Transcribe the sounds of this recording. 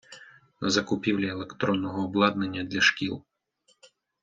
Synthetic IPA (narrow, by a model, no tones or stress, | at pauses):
nɐzɐkʊpʲiwlʲielˠekt̪ɾɔnːɔɦɔːblˠɑd̪nenʲːɐd̪lʲɐʃkʲilˠ